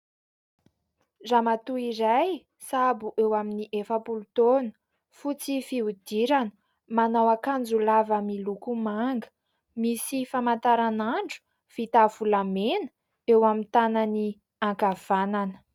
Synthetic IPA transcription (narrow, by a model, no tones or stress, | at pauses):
ramat̪uiɾaj | sabuʔewaminiʔefəpulut̪onə̥ | fut͡sifiud̪̥iɾanə̥ | manawakand͡zulavamilukumaŋɡə̥ | misifamant̪aɾanaɳɖ͡ʐu̥ | fit̪avulamenə̥ | ewamint̪anani | aŋkav̥ananə̥